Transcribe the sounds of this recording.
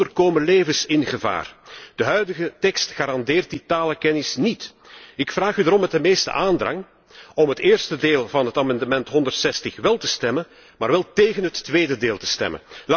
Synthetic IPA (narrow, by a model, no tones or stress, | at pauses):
ərkoːməleːvənsɪnɣəva̰ːrd̥əɦœɥdəɣətɛkstxaːɾɑndeːrt̚ditaːləkɛnɪsnit | ɪkfraːχydaɾɔmːɛt̚dəmeːstə̰ʔaːndrɑ̰ŋ | ɔmɦəteːrstədeːlˠvɑnɦətaːmɑndəmɛntɦɔndərtsɛstəxʋɛlˠtəstɛmən | maːrʋɛlˠteːɣənɦətːʋeːdədeːlˠtə̥stɛ̰mə̰nl